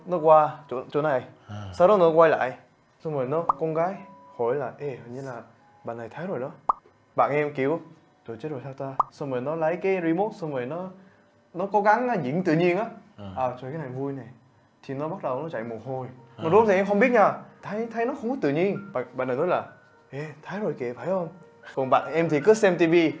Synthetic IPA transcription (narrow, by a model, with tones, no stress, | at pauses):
nɔ˨˦kwaː˧t͡ɕṵ˧˨t͡ɕṵ˧˨na˨˩˨jsa˧wɾɔ˨˦nɔ˨˦kwa˧jla̰ː˧˨j | sɔ˧wŋ͡mzə˨˩jnɔ˨˦kɔ˧nɣaː˨˦j | ho˧˩jlaː˨˩ʔe˧˩hə˧˨ɲɨ˧nlaː˨˩ | ɓa̰ː˧˨na˨˩jt̪ʰə˨˦jzo˨˩jnɔ˨˦ | ɓa̰ː˧˨nʔɛ˧mki˨˩əw | t͡ɕo˧˩t͡ɕe˦˥t̚zo˨˩sʰaː˧wt̪aː˧sɔ˧ŋ͡mvəː˨˩jnɔ˨˦lə˨˦jkaː˨˦jɾi˧mo˦˥t̚sɔ˧ŋ͡mvəː˨˩jnɔ˨˦ | nɔ˨˦kɔ˨˦ɣa˨˦ŋː˨˦zḭ˧˥əŋt̪ɨ̰˧˨ɲi˧ənʔaː˨˦ʔəː˨˩t͡ɕɔ˧˩kaː˨˦jna˨˩jvu˧jna˨˩j | t̪ʰi˨˩nɔ˨˦ɓa˦˥t̚ɗə˨˩wnɔ˨˦t͡ɕa̰˧˨jmo˨˩t̚ho˧jmɔ˨˩˨o˨˦t̪i˨ʔɛ˧mɦə˧wŋ͡mɓi˦˥ət̚ɲaː˧˩t̪ʰa˨˦jt̪ʰə˨˦jnɔ˨˦xə˧wŋ͡mkɔ˨˦t̪ɨ̰˧˨ɲi˧ənɓa̰˨ɓa̰ː˧˨na˨˩j̪t̪laː˨˩ | ʔe˧˩t̪ʰaː˨˦jzo˨˩jki˨˩˨faː˧˩jʔo˧n | kɔ˨˩nɓa̰ː˧˨nʔɛ˧mt̪ʰi˨˩kɨ˨˦sɛ˧mt̪i˧vi˧